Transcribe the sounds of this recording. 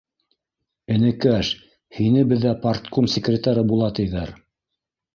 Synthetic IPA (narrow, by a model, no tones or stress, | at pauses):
ɘ̆nɘ̆kæʃ | hinɘbɘ̆ðːæpart̪komsʲɪkrʲɪt̪aɾɤbulˠɑt̪ɤ̆jðæɾ